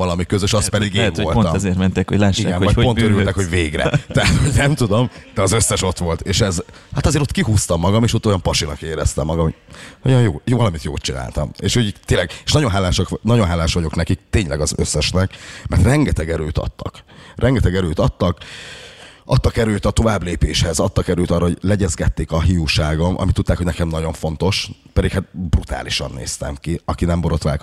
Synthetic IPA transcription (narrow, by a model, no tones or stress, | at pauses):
vɒlɒmikøzøʃɒspɛd̪iɡeːɱolpomɛzeːrt̪mɛnt̪ekhoɟlaːʃḭɡɛmovɒcpoøɾylt̪ɛkho̞ɟveːɡrɛ̰t̪ɛɦat̪ho̞ɟnɛmt̪ud̪o̞md̪ɛɒzøsːɛʃo̞t̪ʋo̞lt̪eːʃɛz | hat̪ɒzeːɾo̞t̪kiɦuːst̪ɒmːɒɡɒmeːʃot̪ːo̞jɒmpɒʃinɒkeːɾɛ̰st̪ɛ̰mːɒɡɒmho̥ojɒjjoːvɒlɒmit̪jo̰ːlt̪̚t͡ʃina̰ːlt̪ɒ̰mḛːʃhoɟt̪eːnlːɛɡe̥ːʃnɒɟo̞nɦaːlaːʃɒknɒɟo̞nɦaːlːaːʃʋɒɟo̞knɛkik̚t̪eːɲlɛɡɒzøsːɛʃnɛkmɛ̰rt̪rɛŋɡɛt̪ɛɡɛɾøːt̪ɒ̰t̪ːɒ̰krʔɛŋɡɛt̪ɛɡɛɾøːt̪ɒt̪ːɒk | ʔɒt̪ːɒkɛɾøːt̪ɒt̪o̞vaːbleːpeːʃhɛzɒt̪ːɒkɛɾøːt̪ɒːrɒhoɟlɛɟɛzɡɛt̪ːeːkɒɦijuʃaːɡo̞mʔɒ̰mit̪ːut̪ːaːkhoɟnɛkɛmnɒɟo̞ɱfo̞n̪t̪o̞ʃpɛd̪ikhat̪̚brut̪a̰ːliʃɒ̰nːḛːst̪ɛ̰mkiɒkinɛmboɾo̞t̪ʋaːlk